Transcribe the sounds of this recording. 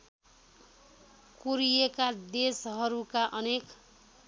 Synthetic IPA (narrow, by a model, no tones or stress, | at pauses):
kuɾijekad̪esɦʌɾukaʔʌnek